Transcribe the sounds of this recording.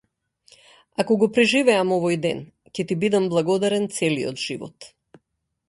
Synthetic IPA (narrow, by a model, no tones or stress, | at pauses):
akɔɡɔpɾɛʒivɛamɔvɔjd̪ɛn | cɛt̪ibid̪amblˠaɡɔd̪aɾɛnt̪sɛlijɔ̰t̪ʒ̥ivɔ̰t̪